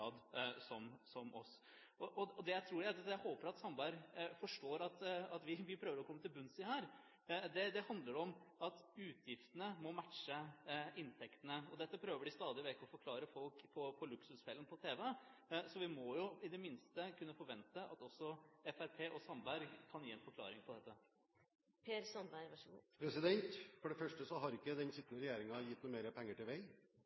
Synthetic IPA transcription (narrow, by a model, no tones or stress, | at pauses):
ɑːd̪sɔmsɔmʔɔ̰s | ɔʔɔɔd̪ɛjæɪt̪ʰɾuːɖɛæɑjæhoːpəɾɑt̪sɑmbæɪɾfɔʂʈoːɾɑt̪ɑt̪ʋɪʋɪpʰɾøːʋəɾɔkʰɔmːət̪ɪlbʉnsɪhæːɾ | d̪ɛd̪ɛhɑnd̪ləɖɔmɑt̪ʉːt̪ʰjɪft̪ənəmɔmæʈʂəɪnt̪ʰɛkt̪ənəɔd̪ɛt̪ːəpʰɾøːʋəɖɪst̪ɑːd̪ɪʋɛkːəɔfɔɾkʰlɑːɾəfɔlkpʰɔpʰɔlʉksʉsfɛlːənpʰɔt̪ʰeːʋɛsɔʋɪmɔjʊɪd̪ɛmɪnst̪əkʰʉnːəfɔɾʋɛnt̪əʔɑ̰t̪ɔsːɔɛfæɾpʰeːʔɔsɑnbæɾɡkʰɑnjiːɛnfɔɾkʰlɑ̰ːɾɪŋpʰɔd̪ɛt̪ːə | pʰeːɾsɑnbæʋɑʂpʰɾɛsɪd̪ɛnt̪fɔɖɛfœʂʈəsɔɦɑɾɪkːəd̪ɛnsɪt̪ːənəɾɛjeːɾɪŋɑjɪt̪ːnuːmeːɾəpʰɛŋːəʈɪlʋɛɪ